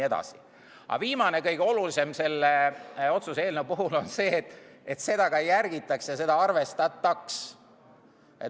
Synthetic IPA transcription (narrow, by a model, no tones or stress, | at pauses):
e̞d̪̥ɑ̰si̥ | ʔɑ̰viːmɑne̞kɤjɡ̥eo̞lulise̞mse̞lːeo̞t̪suseːlnevpuɦulo̞nse̞ːt̪ːˑet̪se̞d̪̥ɑɡ̥ɑjærɡ̥it̪ːˑɑksjɑse̞d̪̥ɑɑrve̞st̪ɑt̪ːˑɑks | e